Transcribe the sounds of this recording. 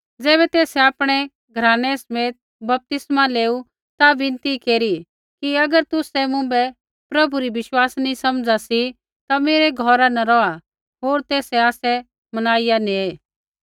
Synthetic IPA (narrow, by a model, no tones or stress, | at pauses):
d͡zɛːbɛt̪eːsɛaːpɽ̃ɛ | ɡʱɐɾaːñɛsɐmeːt̪̚ | bɐp̚t̪ɪsmaleːu | t̪aʋɪ̃nt̪ikeːɾi | kiɐɡəɾt̪ʊsɛmʊ̃bɛ | pɾɐbʱuɾiʋɪʃwaːsnĩsɐmd͡zasi | t̪ameːɾɛɡʱɔːɾanɐɾɔa | ɦoːɾt̪eːsɛaːsɛ | mɐnaːɪjanĩeː